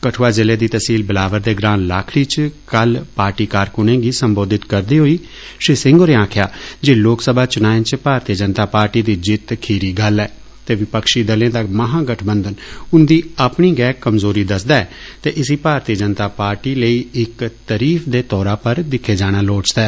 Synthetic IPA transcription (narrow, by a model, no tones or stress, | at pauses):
kəʈʰoːaːzɪleːd̪iːt̪əsiːlbəlaːʋəɾd̪eːɡɾãːnlaːkʰɽiːt͡ʃkəlpaːɾʈiːkaːɾkʊnẽːɡiːsəmboːd̪ɪt̪kəɾd̪iːɦoːiː | ʃɾeːsɪ̃ŋɡoːɾeːãːkʰjaːd͡ʒeːloːksəbʱaːt͡ʃʊnãːnt͡ʃpaːɾt̪iːəd͡ʒənt̪aːpaːɾʈiːd̪iːd͡ʒɪt̪kʰiːɾiːɡəlɛː | t̪eːʋɪpəkʃiːd̪əlẽːd̪aməɦãːɡəʈʰbənd̪ənʊnd̪iːapɳiːɡɛːkːəmzoːɾiːd̪əsd̪aːɛːt̪eːʔɪsiːpaːɾt̪iːəd͡ʒənt̪aːpaːɾʈiːləiːɪkt̪əɾiːfd̪eːt̪ɔːɾaːpəɾd̪ɪkʰːeːd͡ʒaːɽ̃aːloːt͡ʃd̪aɛː